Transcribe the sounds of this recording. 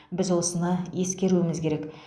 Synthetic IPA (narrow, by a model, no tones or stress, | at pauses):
bɪzwo̞sənɑje̞skʲe̞ɾuwɪmɪzkʲʰe̞ɾek